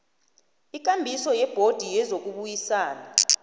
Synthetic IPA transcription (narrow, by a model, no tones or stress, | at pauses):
ik̬ʼambʱisɔjɛb̥ʱod̥ʱijɛzok̬uɓujisaːna